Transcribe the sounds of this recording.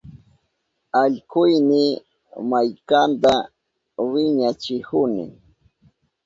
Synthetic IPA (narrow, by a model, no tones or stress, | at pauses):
aʎkʊjnɪ | majkant̪a | wɪɲat͡ʃɪhʊnɪ̰